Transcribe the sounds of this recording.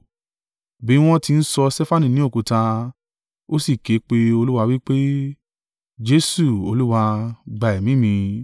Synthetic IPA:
bĩ˨˦w̃ɔ̃˦ti˧n̩˦sɔ˧sɛ˦fa˦˨nĩ˨nĩ˨˦o˦˨ku˨˧tã˧ | o˦si˦˨ke˨˦k͡pe˧o˧lu˦wa˧wi˦k͡pe˦ | d͡ʒe˦su˦˨o˧lu˦wa˧ɡ͡ba˨ɛ˨mĩ˨˦mĩ˧

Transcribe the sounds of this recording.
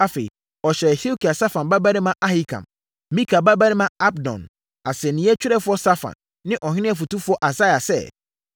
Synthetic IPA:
a˦fḛ˨i˨ | ɔ˨ɕɛ˨hi˦o˦kʰi˨a˨sa˦fã˨nba˦ba˦ɾɪ̃˦mã˦ʔa˦hi˦kʰã̰˨m | mĩ˦kʰa˨ba˦ba˦ɾɪ̃˦mã˦a˦b̚dɔ̰̃˨n | a˨sɛ˨nĩ˨˦ɛ˦t͡ɕʰᶣɪ˦ɾɛ˦fʊ˦ɔ˦sa˦fã̰˨nː | ɪ̃˦ʔɔ˨ɦɪ̃˦nɪ̃˦ɛ˨fu˨tu˦fʊ˦ɔ˦ʔa˨sa˦˨a˨sɛ̰˦

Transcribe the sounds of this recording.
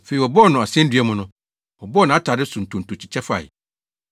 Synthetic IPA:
fe˨i˨wɔ˨bɔ˦˨nʊ̃˨ɔ˨sɛ̃˦n˦dɥɛ˦mʊ̃˦nʊ̃˦ | wɔ˨bɔ˦nã˨a˦tʰaː˨dɪ˦su˨n̩˨tʰũ˨n̩tʰũ˨t͡ɕʰi˨t͡ɕʰɛ˦fʊ˦a̰˨jɛ̰˨

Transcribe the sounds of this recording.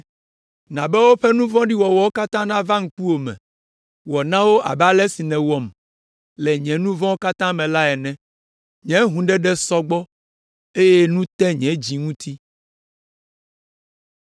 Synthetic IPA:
nã˨bɛ˦wo˦ɸɛ˦nũ˦vɔ̃˦ɖi˦wɔ˨wɔ˨˦wo˦ka˦t̪ã˦nã˦vã˦ŋ̩˦k͡pu˦wo˨mɛ̰̃˨ | wɔ˨nã˦wo˦ʔa̰˨ba˦lɛ˦si˨nɛ̃˨wɔ˨m | lɛ˨ɲɛ̃˨nũ˦vɔ̃˦wo˦ka˦t̪ã˦mɛ̃˨la˦ɛ˨nɛ̃˨ | ɲɛ̃˨˦ɦũ˨ɖɛ˦ɖɛ˦sɔ˦ɡ͡bɔ˦ | e˦je˦nũ˦t̪ɛ̃˦ɲɛ̃˨d͡ʑi˨ŋũ˦t̪ʰi˦

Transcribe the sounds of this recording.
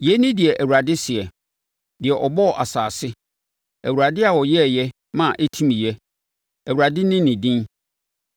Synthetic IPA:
jɛ˦nɪ̃˦dɪ˨ɛ˨ʔæ˨wu˨ɾa˨dɪ˦sɪ˨ɛ˨ | dɪ˨ɛ˨ʔɔ˨bɔ˦˨ʔa˨saː˨sɪ˦ | æ˨wu˨ɾa˨dɪ˦a˨wɔ˨jɛ˦˨jɛ˦ | mã˦˨ʔɛ˦tʰĩ˦m˨jɛ˦ | æ˨wu˨ɾa˨dɪ˦nɪ̃˦nɪ̃˨dĩ˦n

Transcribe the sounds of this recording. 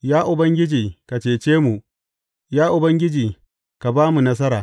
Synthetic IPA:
jaː˦ʔʊ˨bɐ˦ŋɡʲɪ˦d͡ʒiː˨ka˨t͡ʃeː˨t͡ʃeː˦mu˨ | jaː˦ʔʊ˨bɐ˦ŋɡʲɪ˦d͡ʒiː˨ | ka˨baː˦mu˨nɐ˦s̬ɐ˦ɾaː˨

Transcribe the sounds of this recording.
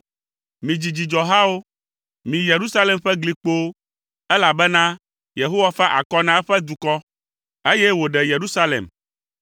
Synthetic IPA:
mĩ˨d͡ʑi˨d͡ʑi˨d͡ʒɔ˨ɦa˦wo˦ | mĩ˨je˨ɾu˦sa˦lɛ˨mɸɛ˦ɡli˨k͡po˦ | ɛ˦la˨bɛ˦nã˦ | je˨ɦo˦wa˦fa˦ʔa̰˨kɔ˦nã˦ɛ˦ɸɛ˦d̪u˨kɔ˦ | e˦jɛ˦wo˨ɖɛ˨je˨ɾu˦sa˦lḛ˨m

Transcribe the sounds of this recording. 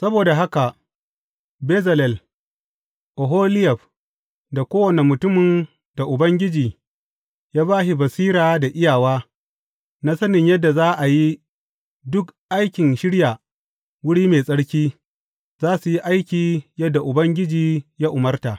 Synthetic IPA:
sɐ˦boː˨da˨ɦa˦ka˨ | bɛ˦zɐ˨lɛ˨l | ʔo˨ɦoː˦lɪ˦jɛ˨ɸ | da˨kʷoː˦wɐ˨ne˨mʊ˨tʊ˦mɪ˨n | d̥a˨ʔʊ˨bɐ˦ŋɡʲɪ˦d͡ʒiː˨ | jaː˦baː˦ʃi˨bɐ˨siː˦ɾaː˨da˨ʔɪ˦jaː˨waː˦ | na˦sɐ˦nɪ˨ɲjɐ˦dːa˨zaː˦ʔa˨ji˦ | dʊ˦kʔa˦jkʲɪ˨nʃɪ˦ɽjaː˨ | wʊ˦ɽiː˦meː˨sʼɐ˦ɽkʲiː˦ | zaː˦su˨ji˦ʔa˦jkʲiː˨jɐ˦dːa˨ʔʊ˨bɐ˦ŋɡʲɪ˦d͡ʒiː˨jaː˦ʔʊ˨mɐ˦rta˨ʔ

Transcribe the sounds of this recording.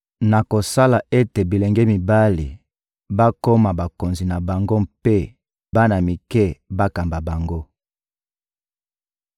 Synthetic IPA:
na˨ko˨sa˦la˨e˦te˨bi˨le˨ŋɡɛ˦mi˨ba˦lḭ˨ | ba˦ko˦ma˨ba˨ko˨nzi˨na˨ba˨ŋɡo˦mpe˦ | ba˦na˨mi˨kɛ˦ba˦ka˨mba˨ba˨ŋɡo˦

